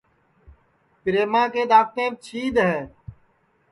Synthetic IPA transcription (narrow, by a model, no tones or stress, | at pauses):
pɾeːmãːkeːd̪aːkt̪ẽːt͡ʃʰiːd̪ɦɛː